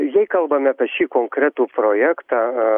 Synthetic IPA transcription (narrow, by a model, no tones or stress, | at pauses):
jɛɪkɐlˠbɐmʲɪɐːpʲɛʃʲiːkoːŋkɾʲæt̪uːpɾoːjæːkt̪ɑː